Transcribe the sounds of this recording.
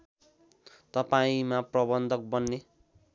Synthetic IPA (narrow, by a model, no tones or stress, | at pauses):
t̪ʌpaĩmaprʌbʌnd̪ʱʌk̚bʌnːe